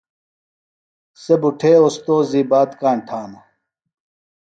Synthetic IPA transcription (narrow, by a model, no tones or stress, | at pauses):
sebuʈʰeːost̪oːziːbaːt̪kaːɳʈʰaːnɐ